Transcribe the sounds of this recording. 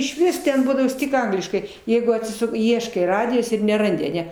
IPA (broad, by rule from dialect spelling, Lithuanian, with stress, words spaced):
ɪʃʲˈʋʲɪs tʲɛn ˈbuːdɐʋoːs ˈtʲɪk ˈɐŋɡlʲɪʃkɐɪ ˈjɛɪɡʊ ɐtʲsʲɪˈsʊk ˈiɛʃkɐɪ ˈrɑːdʲɪjoːs ɪr nʲɛˈrɐnʲdʲɪ ɐˈnʲɛ